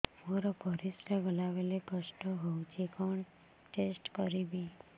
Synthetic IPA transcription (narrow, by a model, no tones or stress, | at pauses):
moɾopɔɾisɾebəlaʋelekəsʈɔɦout͡ʃʰekɔɳ | ʈesʈkɔɾibi